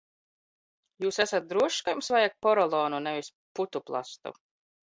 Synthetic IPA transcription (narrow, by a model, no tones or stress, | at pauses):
juːsæsat̪̚d̪ɾuɔʃkajmsvajak̚pɔɾɔlˠɔːnunɛvis | put̪uplˠa̰st̪ṵ